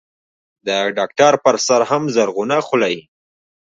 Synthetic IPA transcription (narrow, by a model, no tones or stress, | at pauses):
d̪əɖɑk̚ʈaɾpəɾsaɾɦamzaɾɣunaxʊlai